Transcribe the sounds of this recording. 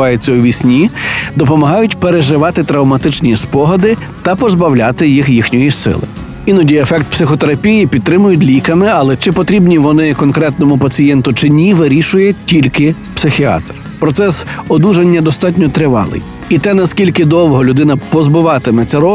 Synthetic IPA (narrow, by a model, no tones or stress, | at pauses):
ɑjet͡sʲːɐuʋʲisʲnʲid̪ɔpɔmɐɦɑjʊtʲpeɾeʒɪʋɑt̪ɪt̪ɾɐwmɐt̪ɪt͡ʃnʲispɔɦɔd̪ɪ | t̪ɐpɔzbɐwlʲat̪ɪjixjixnʲɔjisɪ̰lˠɪ̰ | inɔdʲijefɛk̚t̪̚psɪxɔt̪eɾɐpʲijipʲid̪̚t̪ːɾɪmʊjʊtʲlʲikɐmɪɐlˠɛt͡ʃɪpɔt̪ɾʲibnʲiʋɔnɪkɔnkɾɛt̪nɔmʊpɐt͡sʲijɛnt̪ʊt͡ʃɪnʲiʋɪɾʲiʃʊjɛtʲilʲkɪ | psɪxʲiɑ̰t̪r | pɾɔt̪sɛsɔd̪uʒɐnʲːɐd̪ɔst̪ɑtʲnʲɔt̪ɾɪʋɑ̰lˠɪ̰j | it̪ɛnɐskʲilʲkɪd̪ɔwɦɔlʲʊd̪ɪnɐpɔzbɪʋɑt̪ɪmɛt̪t͡s̪ʲɐɾɔ